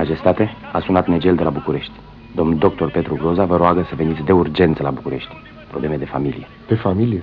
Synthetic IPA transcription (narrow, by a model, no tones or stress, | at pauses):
maʒe̞st̪at̪e̞asunat̪ne̞d͡ʒe̞ld̪e̞labukuɾe̞ʃt̪ʲ | d̪o̞mnd̪o̞k̚t̪o̞rpe̞t̪ɾuɡɾo̞zavəɾoaɡəsəve̞nit̪sʲd̪e̞urd͡ʒe̞nt̪səlabukuɾe̞ʃt̪ʲ | pɾo̞ble̞me̞d̪e̞familḭjepefamilije